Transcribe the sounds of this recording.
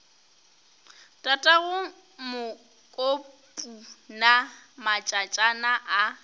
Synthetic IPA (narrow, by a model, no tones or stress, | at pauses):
tʼatʼaɣʊ | mʊ | kʼopʼunamat͡ʃʼat͡ʃʼanaʔa